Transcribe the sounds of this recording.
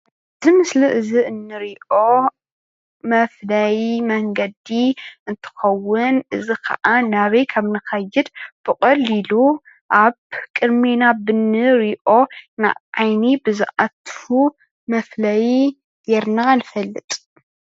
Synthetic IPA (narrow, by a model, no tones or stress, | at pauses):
ʔɨɨzimɨsliʔɨziʔɨnːɨɾiʔo̞ | mɐflajmɐŋɡɐd̪iɨnt̪ʰɨ̥xɐwːʊnʔɨzikʰɐ̰ʔanaβɐjkʰaβnɨxɐjːɨd̪b̥ɨkʼɐlilu | ʔaβkʼɨd̪menabɨnɨɾiʔo̞na̰ʕajnibɨzɨ̰ʔat̪fu | mɐflaj | jeɾnanɨfɐlːɨt̪ʼ